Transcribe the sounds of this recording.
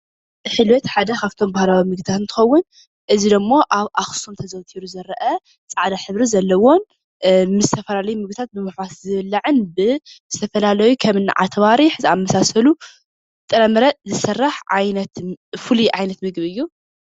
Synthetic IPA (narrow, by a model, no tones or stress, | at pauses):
ħɨlwɐt̪ħad̪ɐkʰaft̪ʰo̞mbahlawimɨɡ̚d̪ʰat̪ɨnt̪ʰɨ̥xɐwːʊn | ʔɨzid̪ɨmːo̞ʔaβʔaxsomt̪ʰɐzɐwt̪ʰiɾuzɐɾɐʔɐ | t͡sʼaʕd̪aħɨβɾizɐlːɐwo̞n | mɨzɨt̪ʰɐfɐlalɐjumɨɡbɨt̪ʰat̪̚bɨmɨħwaszɨβɨlːaʕɨnbɨzɨt̪ʰɐfɐlalɐjukʰɐmɨnːɨ̰ʕa̰t̪ʰβaɾiħzɨʔamːɐsasɐlu | t̪ʼɨɾɐmɨɾɐzɨsɐrːaħʕajnɐt̪fuliʔʕajnɐt̪mɨɡβɨjːu